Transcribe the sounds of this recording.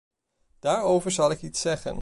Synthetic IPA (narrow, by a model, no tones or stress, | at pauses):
d̥aːɹowvəɹzɑlˠɪkitsɛχə̰n